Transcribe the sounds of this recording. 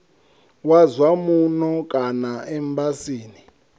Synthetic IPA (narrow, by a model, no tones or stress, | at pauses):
wazwamunɔkʼanaɛmbasiːni